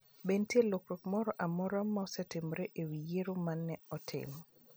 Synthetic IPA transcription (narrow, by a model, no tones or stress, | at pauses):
bentjelokɾɔkmɔɾɔʔamɔɾamːaɔsɛtɪmɾeʔewijeɾomanːɛɔtʰɪ̰m